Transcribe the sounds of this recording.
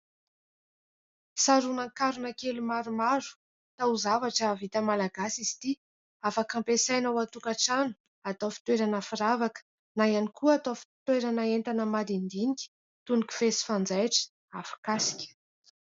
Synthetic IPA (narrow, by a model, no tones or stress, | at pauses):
saɾunaŋkaɾunəkelumaɾumaɾu̥ | t̪auzavaʈ͡ʂəvit̪əmalaɡasizi̥t̪i | afakampesajnawat̪ukaʈ͡ʂanu̥ | at̪ofi̥t̪weɾanəfiɾavakə̥ | najanikuat̪ofi̥t̪weɾanəent̪anəmad̪ind̪iniki̥ | t̪unikʲu̥fesi̥fand͡zajʈ͡ʂə̥ | afḁkasi̥kʲə̥